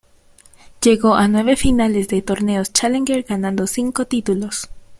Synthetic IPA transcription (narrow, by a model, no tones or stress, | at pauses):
ʝe̞ɣo̞ʔanwe̞βe̞finale̞zðe̞t̪o̞ɾne̞ost͡ʃaleŋɡeɾɡanãnd̪o̞siŋko̞t̪it̪ulo̞s